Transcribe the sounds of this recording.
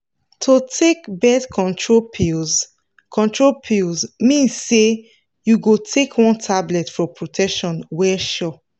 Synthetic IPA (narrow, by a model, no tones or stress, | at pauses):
tʰotʰekbɛdkʰɔ̃ntʰɹopʰiz | kʰɔ̃ntɹopʰilzmĩnsːe | juɡotʰekʰwɔ̃ntʰablɛtfɔpɹotʰɛkʃɔ̃nwɛʃɔ